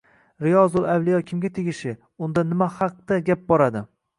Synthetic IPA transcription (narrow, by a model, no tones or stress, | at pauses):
ɾɪjɒzʊlˠawlɪjɒkʲʰɪmɡʲat̪ʰeɡʲɪʃɪ | ʊnd̪anɪmahɑq̚t̪aɡʲap̚bɒɾad̪ɪ